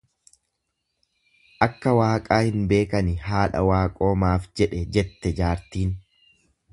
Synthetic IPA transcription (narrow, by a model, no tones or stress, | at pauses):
ʔɐkːɐwaːkʼaːhɪnbe̞ːkɐnɪɦaːᶑɐ̰waːkʼo̞ːmaːfd͡ʒɛᶑɛd͡ʒɛt̪ːɛd͡ʒaːɾt̪iːn